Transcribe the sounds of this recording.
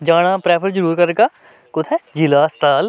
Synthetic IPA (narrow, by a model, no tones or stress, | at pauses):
d͡ʒaːɽ̃aːpɾɛːpʰəɾd͡ʒəɾuːɾkɐɾɡaː | kʊt̪ʰɛd͡ʒilaːst̪ʰaːl